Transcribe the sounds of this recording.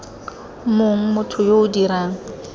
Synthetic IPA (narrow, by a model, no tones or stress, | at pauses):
mʊŋ̩mʊtʰʊjoʊdiɾaːŋ̩